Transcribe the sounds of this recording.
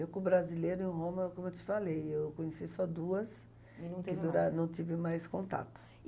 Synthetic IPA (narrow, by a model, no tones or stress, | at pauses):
ewkõbɾazilejɾʊẽɦõmɐkõmʊewt͡ʃ̪ɪ̥falejewkõɲesisɔd̪uɐs | ɐ̃kɪd̪uɾanɐ̃w̃t̪ivɪmajskõnt̪a̰t̪ʊ̥